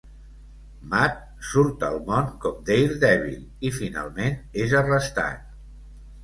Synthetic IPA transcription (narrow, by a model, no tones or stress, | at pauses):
mat̪̚ | suɾt̪əlˠmɔnkɔm̚d̪ejɾd̪ɛβḭl | ifina̰lˠmenezərəst̪a̰t̪̚